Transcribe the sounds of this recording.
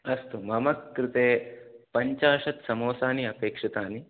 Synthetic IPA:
ɐst̪umɐmɐkːɾɪt̪eːpɐɲt͡ʃaːʂɐt̪sɐmoːsaːniɐpeːkʂɐt̪aːni

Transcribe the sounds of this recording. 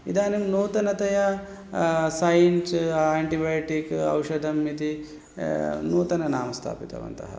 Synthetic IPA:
id̪aːnimnoːt̪ɐnɐt̪ɐjɐ | sɐjinsaːɳʈibajʈikɐ̰wʃɐd̪ʱɐmit̪i | noːt̪ɐnɐnaːmɐst̪ʰa̰ːpit̪ɐ̰ʋɐ̰nt̪ɐ̰ɦɐ̰

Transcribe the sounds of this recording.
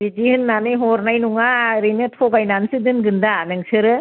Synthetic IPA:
bid͡ʒihɯnːanɯjɦoɾnajnuŋaɾinɯtʰoɡajnansɯdɯnɡɯndanɯŋsɯɾɯ

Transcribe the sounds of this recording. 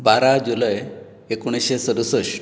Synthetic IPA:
baɾad͡ʑuləj | ekuɽ̃iɕesəɾusəɕ

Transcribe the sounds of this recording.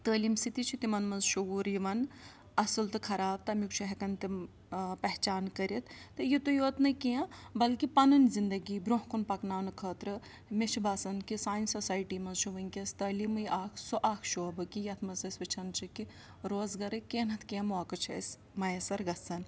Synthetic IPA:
t̪əːlimsit̪it͡ʃʰit̪imɐnmɐnzʃuɡuːɾiʋɐn | ɐsɨlt̪ɨkʰɐɾaːb̚t̪ɐmjukt͡ʃʰuɦɛkɐnt̪i | pɐɦt͡ʃaːnkɐɾʲit̪t̪ːɨjit̪ojoːt̪nɐkijɐ̃bɐlkipɐnɐnzind̪ɐɡibɾoɦkunpɐknaːnɨkʰəːt̪ɾɨ | met͡ʃʰibaːsɐnkisaːnʲsɐsaːjʈiːmɐnzʃʰuʋɐnʲkʲɐst̪əːlimɨjʔaːkʰsoʔaːkʰʃoːbɨkijɐt̪ʰmɐzɐsʲʋɐt͡ʃʰɐnt͡ʃʰiki | ɾoːzɡɐɾɨkeːnɐt̪ʰkiɐmoɐkɐt͡ʃʰɐ̰s | mɐjɐsɐɾɡɐsɐn

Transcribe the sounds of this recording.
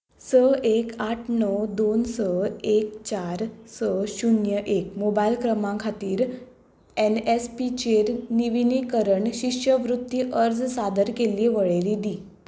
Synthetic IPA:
səekaʈʰnɔwd̪onsəek̚t͡ɕaɾsəɕunjəʔekmobailkɾəmãkʰat̪iːɾ | enespit͡ɕeɾniʋinikəɾəɳɕiʂjəʋɾut̪ːiʔəɾd͡zsad̪əɾkeliʋəɭeɾid̪iː

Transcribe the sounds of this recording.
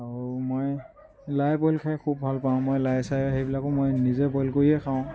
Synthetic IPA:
aɹumoj | lajpɔlkʰajkʰubbʱalpaʊ̃mojlajsajɦejbilakʊmojnizɛpɔlkoɹiɛkʰaʊ̃

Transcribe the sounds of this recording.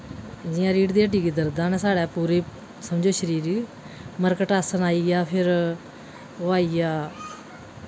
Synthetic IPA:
d͡ʒɪjãːɾiːʈd̪iːəʈiːɡːd̪əɾd̪ãːnɛ̃ːsaːɽɛːpuːɾeː | səmd͡ʒoːʃəɾiːɾiː | məɾkəʈaːsənaːiːɡaːpʰɪɾ | oaːiːjaː

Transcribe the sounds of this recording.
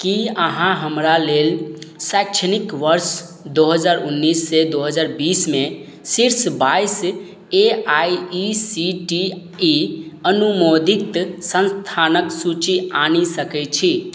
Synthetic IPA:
kiəɦãɦəmɾalelsakt͡ʃʰənikʋəɾs | d̪oɦəd͡ʒaɾunːisːed̪oɦəd͡ʒaɾbisme | siɾsbais | eajisiʈiiənumod̪ikt̪sə̃nst̪ʰanəksut͡ʃianisəkɛt͡ʃʰi

